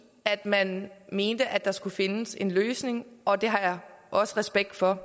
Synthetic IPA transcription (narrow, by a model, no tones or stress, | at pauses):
æd̥mænme̝ːnd̥əʔæd̥ɑ̈sɡ̥ufe̝nəse̝nløːsne̝ŋʔɒ̽d̥e̝ɦɑ̈jɑ̈ʔɒ̽səʁɛsb̥eɡ̥̚d̥fɒ̽